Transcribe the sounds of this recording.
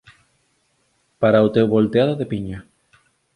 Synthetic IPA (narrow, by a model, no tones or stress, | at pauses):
paɾaut̪ewβolt̪eaðoðepiɲa